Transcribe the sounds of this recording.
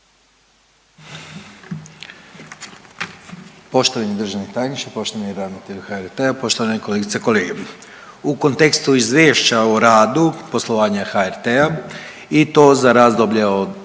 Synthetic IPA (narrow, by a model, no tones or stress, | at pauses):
po̞ʃt̪oʋaɲed̪r̩ʒanit̪aːjnit͡ʃepo̞ʃt̪oaɲeɾad̪mat̪eɾuxaeɾt̪eapo̞ʃt̪oʋaneko̞leɡit̪seko̞leːɡe | uko̞nt̪e̞kst̪uizʋʲjeːʃt͡ɕauɾaːd̪upo̞slˠo̞ʋaːɲaxaeɾt̪ea | it̪o̞ːzaɾaːzd̪o̞bʎeod̪